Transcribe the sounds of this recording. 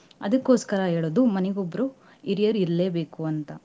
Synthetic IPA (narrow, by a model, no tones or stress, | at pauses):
ɐ̰d̪ɐkːo̞ːskɐɾɐɦeːɭoːd̪umɐnɛɡobːɐɾu | iɾijɐɾiɾleːbe̞ːkuɐnt̪ɐ